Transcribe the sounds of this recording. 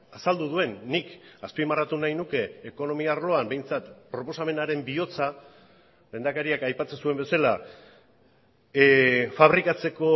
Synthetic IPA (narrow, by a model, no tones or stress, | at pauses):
asald̪uðue̞nːikaspimarat̪unajnuke̞ːko̞no̞miaaːrlo̞ambe̞jnt͡sat̪pɾo̞po̞same̞naɾe̞mbio̞t͡sa | le̞nd̪akaɾiakajpat͡se̞nsue̞mbe̞sala | faβɾikat͡se̞ko̞